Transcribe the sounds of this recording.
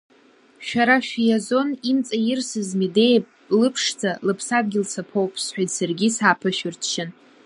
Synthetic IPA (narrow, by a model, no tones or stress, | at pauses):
ʃᶣaɾaʃᶣijazo̞nimt͡sʼajɪrsɨzmidejpʼ | lɨpʰʂt͡sʰalɨpʰsad̚ɡʲɪlt͡sʰapʰowpʼsħʷᶣajsarɡʲɪsaːpʰɨʃᶣʊrtʰʃɪn